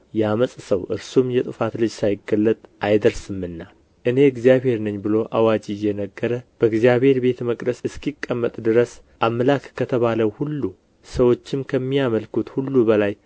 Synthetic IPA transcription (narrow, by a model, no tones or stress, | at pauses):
jaməsʼsəwʔɨɾsumjɛt̪ʼɨfat̪lɨd͡ʒsajɪɡəlːət̪ʼʔajd̪əɾsɨmɨnːa | ʔɨne̞ɨɡzijaβhe̞ɾnɨɲbɨlo̞ʔawad͡ʒijɛnəɡːəɾəb̥əɨɡzjaβhe̞ɾbe̞t̪məkʼd̪əsɨskʰikʼːəmːət̪ʼd̪ɨɾəs | ʔamːəlakkʰːət̪ʰəβaləwhulːu | səwo̞t͡ʃːɪmkʰəmːijaməlkut̪hulːubəlaj